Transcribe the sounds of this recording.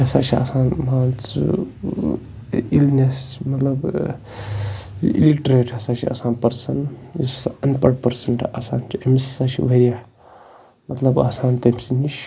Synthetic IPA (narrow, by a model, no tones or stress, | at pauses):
ɐsa̰ːt͡ʃʰia̰ːsaːnmaːnt͡s | ilnesmɐt̪lɐb | ḭliʈɾeʈʰɐsaːt͡ʃʰia̰saːnpɐɾsɐnisɐnpɐɽpɐɾsɐɳʈʰasa̰ːnt͡ʃʰiɐmisisat͡ʃʰiʋeɾija | mɐt̪lɐba̰ːsaːnt̪ɐmsinit͡ʃ